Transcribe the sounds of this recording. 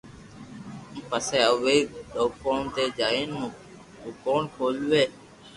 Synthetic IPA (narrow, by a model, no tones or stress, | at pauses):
mpəseːəʋeːɗoːkoːnt̪eːd͡ʒaːĩːnũː | ukoːnkʰoːlʋeː